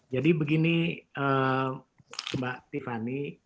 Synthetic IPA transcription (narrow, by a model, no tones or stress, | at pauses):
d͡ʒadibəɡiniə | baʔt̪ifani